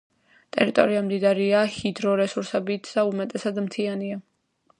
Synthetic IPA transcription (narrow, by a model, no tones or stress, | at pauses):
t̪ʼɛ̰ɾit̪ʼɔ̰ɾiamd̪id̪aɾiahid̪ɾɔɾɛsuɾsɛbit̪ʰd̪aumat̪ʼɛsad̪mt̪ʰiania